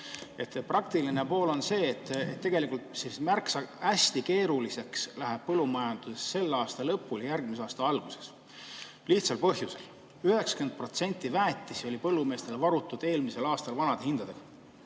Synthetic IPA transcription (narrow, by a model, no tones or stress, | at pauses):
e̞t̪ːprɑk̚t̪iline̞po̞ːlo̞nse̞ːt̪ːˑḛt̪ːe̞ɡe̞likult̪sismærksɑæsʲt̪ike̞ːɾulise̞kslæɦeb̥̚pɤlːumɑjɑnd̪̥use̞sːe̞lːɑːst̪ɑlɤpːˑuljærɡ̥̚mis̬ɑːst̪ɑɑlɡ̥use̞̥s | liht̪sɑlpɤɦjuse̞l | yɦe̞ksɑ̥kend̪̚pro̞t̪se̞nʲt̪ːˑivæːt̪ːˑiso̞lʲipɤlːume̞ːst̪e̞lvɑɾut̪ːˑud̪̥e̞ːlmise̞lɑːst̪ɑlvɑnɑd̪̥ehind̪̥ɑd̪eɡ̥ɑ